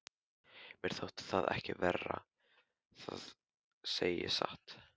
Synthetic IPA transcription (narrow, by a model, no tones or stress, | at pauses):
mɛɾ̥θowht̪θaðɛhcɪvɛrːa | θað | seːjɪsaht̪